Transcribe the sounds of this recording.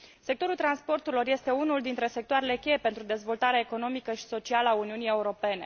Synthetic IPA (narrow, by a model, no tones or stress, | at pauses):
se̞k̚t̪o̞ɾult̪ɾanspo̞rt̪uɾilo̞rje̞st̪e̞unuld̪int̪ɾe̞se̞k̚t̪oaɾe̞le̞kʲe̞je̞pent̪ɾud̪e̞zvo̞lt̪aɾeaeko̞no̞mikəʃi̥so̞t͡ʃialəauniunijeuɾo̞pe̞ne̞̰